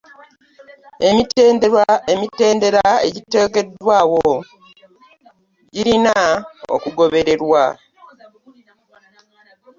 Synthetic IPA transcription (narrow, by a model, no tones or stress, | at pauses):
e̞mitendeaemite̞ːnde̞ɾae̞̰ɟite̞ːke̞dwaːwo̞ | ɟiɾinao̰kuɡo̞βe̞ɾe̞ɾwa